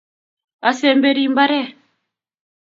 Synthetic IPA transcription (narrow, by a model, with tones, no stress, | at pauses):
a˨sɛ˨mbe˦˨ɾi˦mba˦ɾɛ˦˨